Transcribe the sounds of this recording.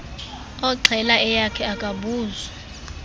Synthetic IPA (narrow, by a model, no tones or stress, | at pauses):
ɔǀʱɛlaɛjakʰɛakʼaɓuːza